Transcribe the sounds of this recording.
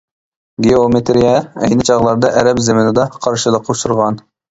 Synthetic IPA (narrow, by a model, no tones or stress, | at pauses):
ɡeomet̪ʰeɾijɑɛ̰jnɪt͡ʃʰɑʁlˠɑɾd̪ɑʔɛɾɛpzemɪnɪd̪ɑqʰɑɾʃɨləqʰoʃuɾʁɑn